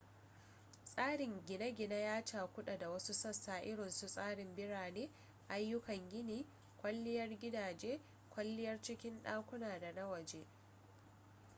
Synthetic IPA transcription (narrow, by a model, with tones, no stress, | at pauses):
sʼaː˦ɽɪ˨ŋɡʲɪ˨na˦ɡʲɪ˨na˦jaː˦t͡ʃaː˨kʷʊ˦ɗa˨da˨wɐ˦su˦sɐ˦saː˨ʔɪ˦ɽɪ˨nsu˨sʼaː˦ɽɪ˨mbɪ˦ɽaː˨neː˦ | ʔa˦jːʊ˦kɐ˨ŋɡʲɪ˦niː˨ | kʷʼɐ˦lːɪ˦jɐ˦rɡʲɪ˦daː˨d͡ʒeː˦ | kʷɐ˦lːɪ˦jɐ˦rt͡ʃɪ˦kʲɪ˦nɗaː˦kʷʊ˦naː˨da˨na˦wɐ˨d͡ʒeː˦